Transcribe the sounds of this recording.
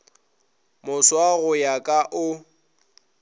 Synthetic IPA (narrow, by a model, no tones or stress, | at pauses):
mʊswaɣʊjakʼaʔʊ